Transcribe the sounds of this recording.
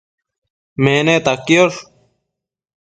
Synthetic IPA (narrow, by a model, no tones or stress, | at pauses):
mẽːneːt̪akːijoʂ